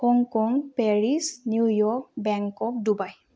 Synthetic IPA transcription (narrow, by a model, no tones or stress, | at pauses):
hɔŋkɔŋpɛɹisniujɔk̚bɛŋkɔk̚dubaj